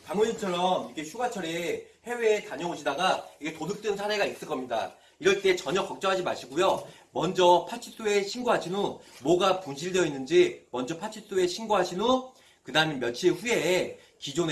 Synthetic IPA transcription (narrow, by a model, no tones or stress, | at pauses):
kaŋoɲint͡ɕʰʌɾʌmikʰe̞ɕʰuɡat͡ɕʰʌɾehe̞weːtaɲʌoɕʰidaɡaikʰe̞todɯp̚t͈wenɯnsʰaɾe̞ɡais͈ɯɭk͈ʌmɲida̰ | iɾʌɭt͈e̞t͡ɕʌɲʌkʌk̚t͡ɕ͈ʌɦad͡ʑimaɕʰiɡojomʌnd͡ʑʌpʰat͡ɕʰis͈oe̞ɕʰinɡoɦaɕʰinomwʌɡapunɕ̬ʰiɭdjʌinːɯnd͡ʑimʌnd͡ʑʌpʰat͡ɕʰis͈oe̞ɕʰinɡoɦaɕʰino | kɯdaɯmjenmjʌnt͡ɕʰieɸuje̞ | kid͡ʑone